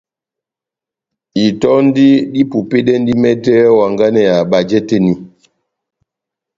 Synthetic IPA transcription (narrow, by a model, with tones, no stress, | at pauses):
i˨tɔ˦n˦di˦di˦pu˨pe˦dɛ˦n˦di˦mɛ˦tɛ˦wa˨ŋɡa˦nɛ˨ja˨ba˨d͡ʒɛ˦te˦ni˨